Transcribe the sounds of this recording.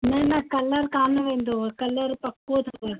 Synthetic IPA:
nɐnɐkɐləɾkaːnʋẽːn̆d̪okɐləɾpɐkːot̪ʰoə

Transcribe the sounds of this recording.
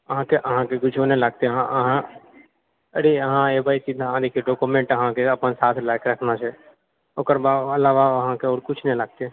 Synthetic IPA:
əɦãkeʔɐɦãkeɡʊd͡ʒʰʱonelaɡ̚t̪eɦãɐɦã | əɽiəɦãebaisid̪ʱaãd̪ekʰeɖoːkumẽɳʈəɦãkeɐpənsaːt̪ʰlaːɪkɾɐkʰnat͡ʃʰɛ | oːkəɾbaɐlaːʋaɐɦãkeoːɾkʊt͡ʃʰnẽləɡ̚t̪e

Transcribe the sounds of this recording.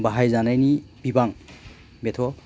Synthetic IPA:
baɦajzanajnibibaŋ | betʰɔ

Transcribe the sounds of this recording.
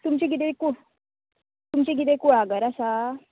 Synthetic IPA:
t̪umt͡ɕeɡʱit̪ekuɽ | t̪umt͡ɕeɡʱit̪̬ekuɭaɡəɾasa

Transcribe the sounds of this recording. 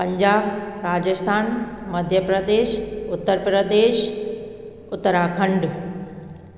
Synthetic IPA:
pɐ̃ɲd͡ʑaːbɾaːd͡ʑəst̪ʰaːnmɐd̪ʱjəpɾəd̪eːʃʊt̪ːəɾpɾəd̪eːʃ | ʊt̪ːəɾakʰɐ̃ɳɖ

